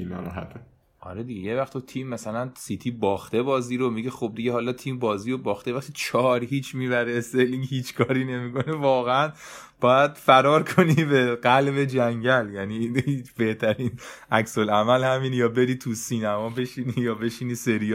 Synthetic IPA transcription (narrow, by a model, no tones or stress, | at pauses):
inɒ̰ɾɔ̰ɦæ̰t̪ʰe | ʔɒ̰ɾed̪iɟejevæxt̪ʰot̪ʰiːmːæsælænsit̪ʰibɒːxt̪e̞bɒːziːɾo̞miɟexob̚d̪iɟehɒːlɒt̪ʰiːmbɒːziːobɒːxt̪evæχt̪ʰit͡ʃʰɒːɾhiːt͡ʃʰmiːbæɾeseliŋɡhiːt͡ʃʰkʰɒːɾiːne̞miːkʰo̞nevɒːɣeænb̥ɒːjæd̪̥fæɾɒːɾkʰo̞nibeɢælbe̞d͡ʒæŋɟæljæniit͡ʃb̥e̞ht̪ʰæɾiːnʔæksolæmælhæmiːnjɒːbe̞ɾiːt̪ʰusiːnæmɒːbe̞ʃinijɒːbe̞ʃiniːse̞ɾij